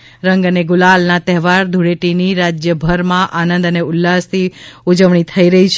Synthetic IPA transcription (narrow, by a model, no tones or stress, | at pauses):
ɾəŋɡəneɡʊlalnat̪ɛɦʋaɾd̪ʱuɽeʈiniɾad͡ʒjəbʱəɾmãʔanənd̪əneʊlːast̪ʰiud͡ʒəʋɳ̃it̪ʰəiɾəɦit͡ʃʰ